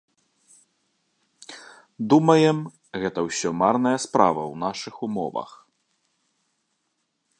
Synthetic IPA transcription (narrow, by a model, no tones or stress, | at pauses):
d̪umɐjɛm | ɣɛt̪ɐwsʲɔmarnɐjɐspɾa̰vɐ̰wnaʂɨxumɔ̰vɐ̰x